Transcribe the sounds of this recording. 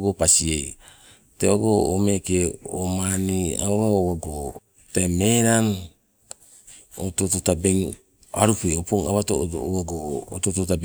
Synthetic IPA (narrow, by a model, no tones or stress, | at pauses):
ɡopasiej | teβaɡoːmekeomania̰oɾaoβaɡo | tameɾan | o̰tototabeŋ | a̰ɾupueopoŋa̰βato̰owaɡo̰ːtototab